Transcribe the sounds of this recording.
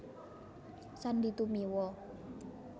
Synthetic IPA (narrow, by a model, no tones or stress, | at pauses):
sandit̪umiwɔ